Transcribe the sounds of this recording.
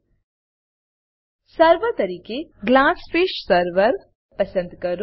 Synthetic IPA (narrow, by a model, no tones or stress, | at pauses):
sɐɾʋət̪ɐɾiːkeɡlaːsfeːʃsɐɾʋəɾ | pɐsə̃nd̪kɐɾ